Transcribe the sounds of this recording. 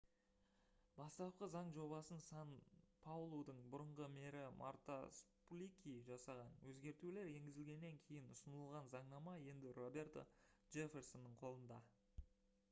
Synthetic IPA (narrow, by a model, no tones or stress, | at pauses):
bɑst̪ɑp̚qəzɑɴʒo̞βɑsənsɑnpʰawlˠowd̪əɴbʊɾəɴʁəme̞ɾɪmʔa̰ɾt̪asplʲikʲiʒɑsɑʁɑnwɵzɡʲe̞ɾt̪ule̞ɾe̞ŋɡʲɪzɪlɡʲe̞nːe̞ŋkʲʰe̞jɪnʊsənəəlˠʁɑnzɑɴnɑmɑje̞nd̪ɪro̞be̞ɾt̪o̰ʒ̥e̞fʲe̞ɾsonːəɴqʰo̞lˠənd̪ɑ